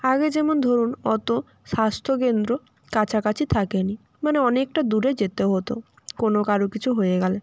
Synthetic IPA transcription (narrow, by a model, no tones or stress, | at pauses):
aɡed͡ʑɛmond̪ʱoɾunɔt̪o | ʃast̪ʰok̬end̪ɾo | kat͡ɕʰakat͡ɕʰit̪ʰakeni | maneɔnek̚ʈad̪uɾed͡ʑet̪eɦot̪o̰ | konokaɾokit͡ɕʰuɦojeɡɛle